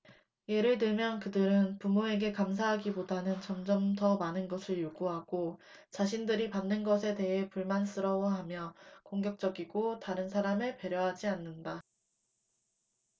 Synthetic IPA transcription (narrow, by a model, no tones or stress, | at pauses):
je̞ɾɯɭtɯɭmjʌnkɯdɯɾɯnpumoe̞ɡe̞kams̬ʰaɦaɡibodanɯnt͡ɕʌmd͡ʑʌmtʌmanɯnɡʌsʰɯɭjoɡuɦaɡ̥ot͡ɕaɕʰindɯɾipamnɯnɡʌsʰe̞te̞ɦe̞puɭmans͈ɯɾʌwʌɦamjʌkoŋɡjʌk̚t͡ɕ͈ʌɡiɡotaɾɯnsʰaɾamɯɭpe̞ɾjʌɦad͡ʑianːɯnda